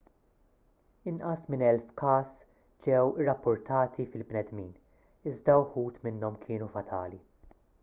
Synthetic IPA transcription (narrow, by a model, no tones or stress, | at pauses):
ɪnʔɐsmɪnɛlfkɐːs | d͡ʒɛwɪrːɐpːʊɾt̪ɐːt̪ʰifɪlbnɛd̪miːn | ɪzd̪ɐwħuːt̪mɪnːɔmkʰɪːnufɐt̪ʰɐːli